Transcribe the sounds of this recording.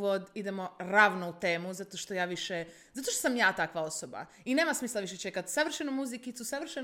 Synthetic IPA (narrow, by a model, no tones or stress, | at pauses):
ʋod̪id̪e̞mo̞ɾaːʋnout̪e̞ːmuzat̪o̞ʃt̪o̞jaːʋiʃe | zat̪oʃt̪o̥samjaːt̪akʋao̞soba̰ | ine̞ːmasmiːslˠaʋiʃet͡ʃekat̪saʋr̩ʃenumuzikit̪susaʋr̩ʃe